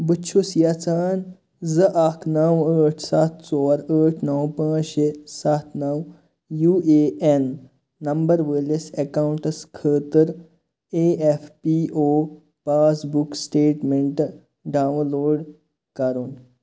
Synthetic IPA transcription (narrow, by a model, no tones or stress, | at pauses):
bɨt͡ʃʰusjat͡saːn | zɨʔakʰnɐwəːʈʰsat̪̚ʰt͡sɔːɾəːʈʰnɐwpãːʃesat̪ʰnɐw | juːeːʔenː | ɐmbɐɾʋəːlesekawuɳʈskʰəːt̪əɾ | eːefʰpiʔoː | paːsbuksʈeːʈmeɳʈ | ɖaːwloːɖ | kɐɾun